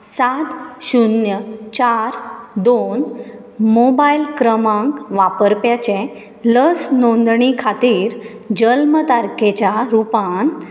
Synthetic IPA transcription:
sat̪ɕunjət͡ɕaɾd̪on | mobailkɾəmãŋkʋapəɾpjat͡ɕẽ | ləsnõnd̪ɳikʰat̪iːɾ | d͡ʑəlmət̪aɾket͡ɕaɾupãn

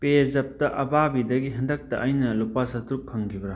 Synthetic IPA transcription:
pezɐp̚tɐʔɐbabidɐɡiɦɐndɐk̚tɐʔːjnɐlupasɐtɾuk̚pʰɐŋkʰibɾa

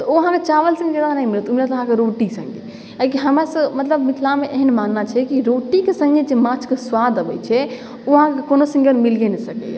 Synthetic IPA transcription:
t̪ɔoɦãket͡ʃaʋəlsə̃ŋɡed͡ʒed̪anəimilɛt̪umɾat̪ːɦãkeɾoʈisə̰̃ŋɡḛ | akiɦəmɾasə̃mət̪ləbmit̪ʰlameʔeɦənmanːat͡ʃʰɛkiɾoʈikesə̃ŋɡed͡ʒemãt͡ʃʰkeswad̪əbɛ̰t͡ʃʰɛ | oɦãkekonosə̃ŋɡonmilɡenɛsəkɛ̰

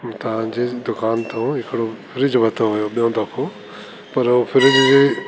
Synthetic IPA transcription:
t̪ɐʋ̤ãd͡ʑeːd̪ʊkaːnt̪ʰõɦɪkɪɽopʰɪɾɪd͡ʑbʱɐt̪ʰoɦʊjoɓijõd̪ɐkʰo | pɐɾofʰɪɾɪd͡ʑe

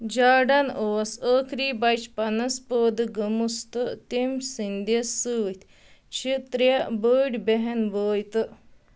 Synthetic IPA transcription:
d͡ʒaːɖɐnoːsəːkʰɾiːbɐjt͡ʃpɐnɐspoːd̪ɨɡɐmust̪ɨt̪imsind̪ɐsɨːt̪ʰʲ | t͡ʃʰit̪ɾjɐbəːɖʲbeɦɐnboːjt̪ɨ

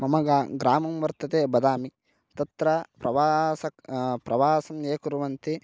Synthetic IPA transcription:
mɐmɐɡaɡɾaːmɐmʋɐɾt̪ɐt̪eːbɐd̪aːmi | t̪ɐt̪ɾɐpɾɐʋaːsɐkpɾɐʋaːsɐmjeːkuɾuʋɐnt̪i

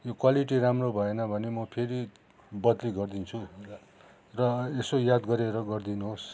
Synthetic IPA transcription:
jokwaliʈ̬iramrobʱʌenʌbʱʌnemʌpʰeɾi | bʌd̪liɡʌrd̪int͡sʰu | rʌesojad̪ɡʌɾeɾʌɡʌrd̪inuɦos

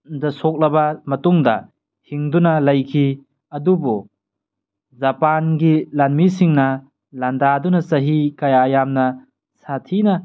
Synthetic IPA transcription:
dɐsok̚lɐbɐmɐtuŋdɐ̰ | hiŋdunɐlɐjkʰi | ɐdubu | zɐpanɡilanmisiŋnɐ | landadunɐsɐɦikajaːjamnɐ | satʰinɐ

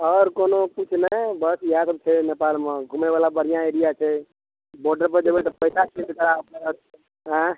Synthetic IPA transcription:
ɔɾkonoput͡ʃʰnəbəsjãsəb̚t͡ʃʰɛnepalmẽɡʱumeʋalabəɾijãeɾijat͡ʃʰɛ | boɾɖəɾpəɾd͡ʒebɛt̪əpəɪsat͡ʃʰesek̪əɾaəpneɦət̪̚ɛ | ɦə̃

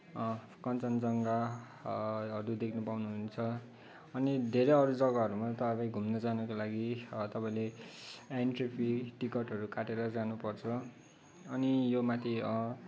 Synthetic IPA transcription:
ʌ | kʌnt͡sʌnd͡zʌŋɡa | ʌɾud̪ekʰnʌpawnuɦunt͡sʰʌː | nid̪ʱeɾejʌɾud͡zʌɡʌɦʌɾumat̪ʌpbaĩɡʱumnʌd͡zanʌkolaɡit̪ʌpaĩle | enʈripʰiʈikʌʈɦʌɾukaʈeɾʌd͡zanupʌrt͡sʰʌ | ʌnijomat̪ʰiʌ

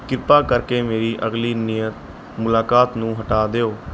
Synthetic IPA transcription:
kɪɾpaːkəɾkeːmeːɾiːʔəɣliːnɪjət̪ | mʊlaːkaːt̪nũːɦəʈaːd̪eːoː

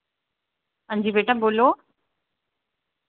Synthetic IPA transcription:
ə̃ɲd͡ʑibeːʈə̃boːloː

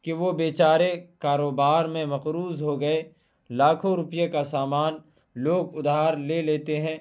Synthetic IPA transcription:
kiʋobeːt͡ʃaːɾekaːɾoːbaːɾmẽmɐqɾuːzɦoɡɐe | laːkʰõɾʊpjekasaːmaːn | loːɡʊd̪ʱaːɾleleːt̪eɦɛ̃ː

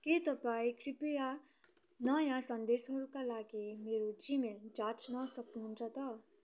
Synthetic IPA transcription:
ket̪ʌpaĩkʰripeja | nʌjãsʌnd̪esɦʌɾukalaɡimeɾod͡zimeld͡zat͡snʌsʌknuɦunt͡sʰʌt̪ʌ

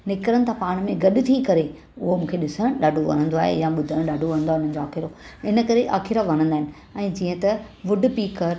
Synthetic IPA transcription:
nɪkɾənɪ̆t̪ʰãpaːɽ̃mẽɡɐɗʊ̆t̪ʰikɐɾe | ʊɦomũːkʰeɗɪsəɽ̃ɗaːɖʱoʋɐ̰ñə̃nd̪oaːɦḛjãɓʊd̪ʱəɽ̃ɗaːɖʱoʋɐ̃ə̃nd̪oaɦɪn̤ən̆d͡ʑoaːxɪɾoɪnə̆kɐɾeʔa̰ːxɪɾaʋɐɾ̃ə̃nd̪aːɦɪnɪ̆ | ɛ̃ːd͡ʑiːə̃t̪ɐʋʊɖʱpiːkəɾ

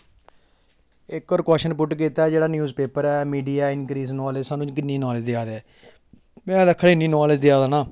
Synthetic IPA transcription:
ɪkːɔːɾkɔːʃənpʊʈk̬iːt̪aːɛd͡ʒeːɽaːnjuːzpeːpəɾɛːmiːɖijaːɪnkɾiːznɔːled͡ʒsaːnũːt͡ʃk̬ɪnːiːnɔːlɪd͡ʒd̪ɪjaːd̪ɛː | mɛ̃ːd̪əkʰːəɽɪnːiːnoːled͡ʒd̪ɪjaːd̪aːnãː

